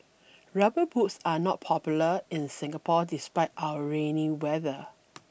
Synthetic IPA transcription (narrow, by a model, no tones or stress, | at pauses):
ɹabəbutsanɔt̚pʰɔpjuləɪ̃nsɪ̃ŋɡəpʰɔdɪspaɪtawəɹẽniwɛðə